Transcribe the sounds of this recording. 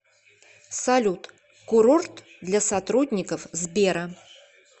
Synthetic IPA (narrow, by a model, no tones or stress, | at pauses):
sɐlʲut̪ | kʊɾort̪ | d̪lʲasɐt̪ɾudʲnʲɪkəfzbʲeɾə